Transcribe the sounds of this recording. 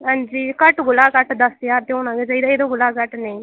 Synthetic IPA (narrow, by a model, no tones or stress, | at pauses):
ɦãːnd͡ʒiːkəʈɡʊlaːkəʈd̪əsjaːɾt̪eoːñãːɡed͡ʒaiːd̪aːeːd̪oːɡʊlaːkəʈneĩː